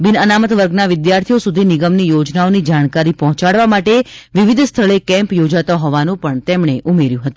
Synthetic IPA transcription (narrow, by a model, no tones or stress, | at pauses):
bɪnənamət̪ʋəɾɡnaʋɪd̪jaɾt̪ʰijosud̪ʱinɪɡəmnijod͡ʒnaonid͡ʒaɽ̃kaɾipɔɦɔ̃t͡ʃaɽʋamaʈeʋiʋid̪ʱst̪ʰəɭekɛ̃mpjod͡ʒat̪aɦɔʋanũpəɳt̪emɳeʔumeɾjũɦət̪ũ